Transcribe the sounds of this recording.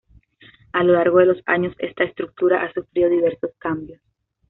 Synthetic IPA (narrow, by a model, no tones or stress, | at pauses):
alo̞laɾɣo̞ðelosa̰ɲo̞se̞st̪aest̪ɾuk̚t̪uɾaʔasufɾiðoðiβe̞ɾso̞skambjo̞s